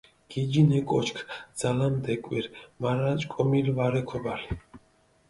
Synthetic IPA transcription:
ɡ̥id͡ʒinɛkʼɔt͡ʃkʰd̪z̥alamd̪ɛkʼwiɾmaɾat͡ʃʼkʼɔmilvaɾɛkʰɔbali

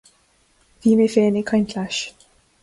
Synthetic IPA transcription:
viːmefeːnɪkʰɔjnkʰlaʃ

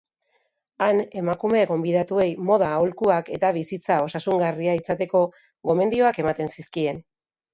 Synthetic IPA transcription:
ane̞makume̞ɡo̞mbiðat̪ue̞jmo̞ð̞aːulkuake̞t̪aβisit͡sao̞sasuŋɡariait͡sat̪e̞ko̞ | ɣo̞me̞nd̪io̞ake̞mat̪e̞nsiskie̞n

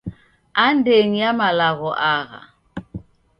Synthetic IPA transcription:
andeŋ̩jamalaɣɔʔaɣa̰

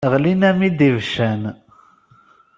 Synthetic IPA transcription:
ʁlinæmid̪ivʃæn

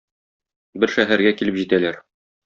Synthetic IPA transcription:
bɘɾʃæɦæɾɡækilɘpʑit̪ælæɾ

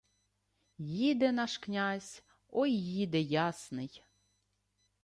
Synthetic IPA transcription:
jid̪ɛnɑʃknʲazʲ | ɔjːid̪ɛjɑsnɪj

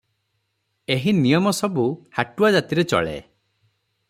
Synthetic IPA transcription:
eɦinijɔmɔsɔbuhaʈuad͡ʒat̪iɾet͡ʃɔ̰ɭḛ

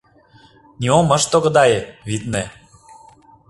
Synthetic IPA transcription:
nʲiomə̆ʃt̪oɣə̆d̪ɑjeβit̪ne

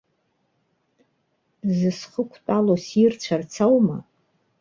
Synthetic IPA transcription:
zɨsχəkʷʰtʼalosirt͡ʃʷʰart͡sʰawma̰

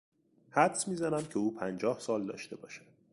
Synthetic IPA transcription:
hæd̪smiːzænæmcʰe̞uːpʰænd͡ʒɒːhsɒːld̪ɒ̰ːʃt̪e̞bɒ̰ːʃæ̥d̪̥

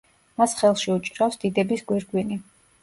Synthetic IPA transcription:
masχɛlˠʃiut͡ʃʼɾafsd̪̥id̪ɛbisɡwiɾɡwini

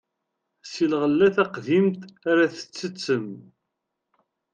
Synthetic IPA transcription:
silʁəlːæθæqðimt̪æɾæθə̥t͡sːət͡sːəm

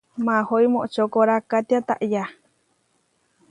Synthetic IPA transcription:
mãhoimoʔt͡ʃokoɾakat̪iat̪aʔja

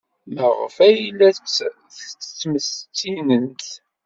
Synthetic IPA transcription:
məʁə̰fæjilːæ | θət͡sːə̥t͡sːməst͡sːinənt̪

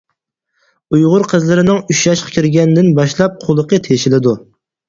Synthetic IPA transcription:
ujʁʊɾqʰəzlˠɨɾɪnɪŋyʃjɑʃqʰɑ̥kʲʰiɾɡʲɛnd̪ɪnbɑʃlˠɑp̚qʰolˠəqʰət̪ʰeʃɪlɪd̪u

